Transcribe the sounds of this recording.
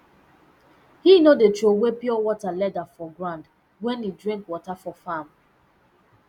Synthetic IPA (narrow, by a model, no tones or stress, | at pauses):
hinodetowepiɔwɔtalɛdafɔɡɹãnd | wɛ̃nidɹĩŋkwɔtafɔfam